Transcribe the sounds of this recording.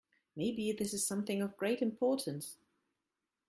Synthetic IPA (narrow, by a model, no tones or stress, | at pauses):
meɪbiðɪsɨz̥sʌ̃mθɪ̃ŋʌvɡɹeɪɾɨ̃mpʰɔɹʔn̩s